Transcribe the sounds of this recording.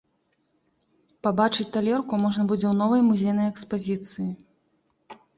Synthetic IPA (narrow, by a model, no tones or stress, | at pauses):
pabat͡ʂɨt͡sʲt̪alʲɛrkumɔʐnɐbɨd͡zʲɛwnɔvɐjmuzʲejnɐjɛkspazʲit̪sɨji